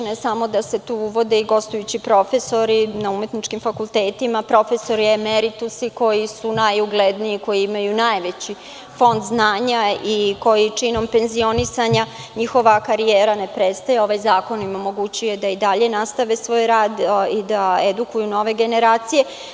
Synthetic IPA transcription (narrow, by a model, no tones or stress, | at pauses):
noesamo̞d̪ase̞t̪uːuʋo̞d̪eiɡo̞st̪ujut͡ɕipɾo̞fe̞so̞ɾinaume̞t̪nit͡ʃkimfakult̪eːt̪imapɾo̞fe̞so̞ɾiemeɾit̪usiko̞jisunajuɡled̪niiko̞jiimajunajʋe̞t͡ɕi | fo̞nd̪znaːɲaiko̞jit͡ʂino̞mpe̞nzio̞nisaɲa | ɲixo̞ʋakaɾijeːɾane̞pɾet̪st̪ajeo̞ʋajzaːko̞nimomo̞ɡut͡ɕuje̞d̪aid̪aʎe̞nast̪aʋesʋo̞ːjɾaːd̪id̪aed̪ukujuno̞ːʋe̞ɡe̞ne̞ɾaːt̪sije̞